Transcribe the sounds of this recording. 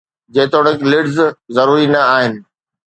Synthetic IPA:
d͡ʑeːt̪oːɽ̃ə̃klɪɖzzɐɾuːɾinɐaːɦɪnɪ̆

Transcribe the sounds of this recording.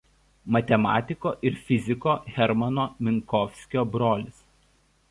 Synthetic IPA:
mɐt̪ʲɛmɑ̰ːt̪ʲɪkoːʔɪɾfʲɪzʲɪkoːɣʲɛɾmɐnoːmʲɪŋkɔfʲsʲkʲoːbɾoːlʲɪs

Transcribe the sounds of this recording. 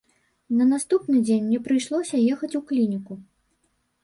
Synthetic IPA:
nɐnast̪upnɨd͡zʲenʲmnʲɛpɾɨjʂlˠɔsʲɐjɛxɐt͡sʲuklʲinʲiku

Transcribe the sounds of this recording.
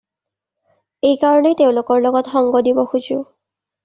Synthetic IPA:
ejkaɹɔneteʊ̃lokɔɹlɔɡɔtxɔŋɡɔdibɔxuzʊʊ

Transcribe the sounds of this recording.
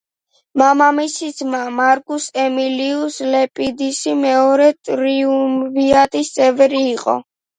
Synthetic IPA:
mamamisid̪zmamaɾkʼusɛmiliuslɛpʼid̪isimɛɔɾɛt̪ʼɾiumviat̪ʼist̪sʼɛvɾiːqʼɔ̰

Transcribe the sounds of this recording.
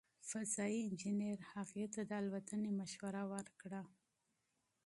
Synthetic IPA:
fazɑiɪnd͡ʒɪneɾhaɣiat̪ːad̪əalwat̪ənemaʃwaɾawəɾkɽa

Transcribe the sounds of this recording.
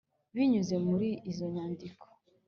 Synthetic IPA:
βiɲuze̞muɾiizo̞ɲaːndikʰo̥

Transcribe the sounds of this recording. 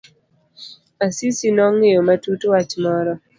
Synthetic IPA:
asisinɔŋːɪomatutwat͡ʃmɔɾɔ

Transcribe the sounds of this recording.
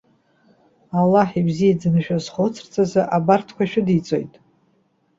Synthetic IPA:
alːaħibzijad͡zɨnʃᶣazχot͡sʰrt͡sʰʼazɨʔabartʰkʷaʃᶣʊdit͡sʼo̞̰jtʼ

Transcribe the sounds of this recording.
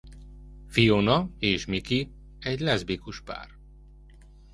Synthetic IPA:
fijonɒeːʃmiki | ɛɟlɛzbikuʃpa̰ːr

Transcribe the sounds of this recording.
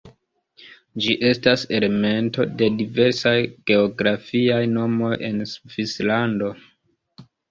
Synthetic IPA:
d͡ʒiʔe̞stase̞le̞me̞nto̞̰de̞dive̞ɾsajɡ̥e̞oɡɾafiajno̞mo̞je̞nsvislando̞

